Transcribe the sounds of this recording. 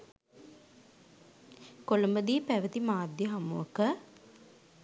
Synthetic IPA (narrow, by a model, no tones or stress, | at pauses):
koləmbəd̪iəpæʋət̪imaːd̪jəɦamuəkə